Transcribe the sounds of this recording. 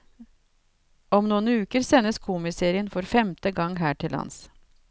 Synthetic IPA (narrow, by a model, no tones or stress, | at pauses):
ɔmnuːənʉːkəɾseːnəskʰumɪseːɾɪənfɔɾfɛmt̪əɡɑŋːɦæːʈʰɪlɑ̰ns